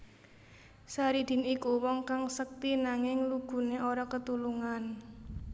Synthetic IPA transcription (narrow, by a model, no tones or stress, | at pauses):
saɾid̪̥i̤nikuwɔŋkaŋsək̚t̪inaŋɪŋluɡ̥ṳneʔoɾɔkət̪uluŋan